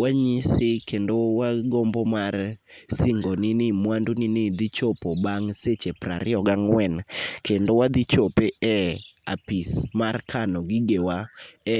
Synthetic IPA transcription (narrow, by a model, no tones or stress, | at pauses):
waɲisɪkendowaɡombomar | sɪŋɡonɪnɪmwandunɪnɪd̪it͡ʃopobaŋset͡ʃepɾa̰ɾɪɔɡaŋwɛnkendowad̪it͡ʃopeɛa̰pismarkʰanɔɡɪɡewaɛ